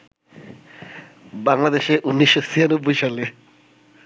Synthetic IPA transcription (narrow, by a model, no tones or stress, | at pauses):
baŋlad̪eʃeʔunːiʃːosianobːojʃale